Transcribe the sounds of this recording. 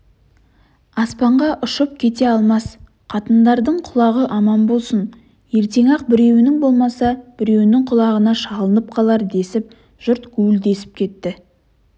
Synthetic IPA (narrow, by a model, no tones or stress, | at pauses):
ɑspɑɴʁɑʔʊʃəp̚kʲʰe̞t̪e̞ɑlˠmɑs | qʰɑt̪ənd̪ɑɾd̪əɴqʰʊlˠɑʁəʔɑmɑnbo̞lˠsən | je̞ɾt̪e̞ŋɑq̚bɪɾe̞wɪnɪŋbo̞lˠmɑsɑb̥ɪɾe̞wɪnɪŋqʰʊlˠɑʁənɑʃɑlˠənəp̚qʰɑlˠɑɾd̪e̞sɪp̚ | ʒ̥ʊɾt̪ɡ̥ʲʰʉɡɪld̪e̞sɪ̥p̚kʲʰe̞t̪ːɪ